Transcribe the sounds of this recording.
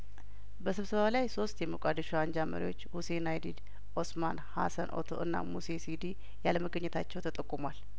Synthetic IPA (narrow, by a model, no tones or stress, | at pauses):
bəsɨβsəβalajso̞st̪jɛməkʷʼad̪əʃuaɲd͡ʒamə̰ɾḭwo̞t͡ʃːhusenajd̪id̪ | ʔo̞smanha̰sənʔo̰t̪ʰo̞̰ʔɨnːa̰musesid̪i | jaləməɡəɲːɛt̪ʰat͡ʃːɛwt̪ʰət̪ʼəkʼːumwal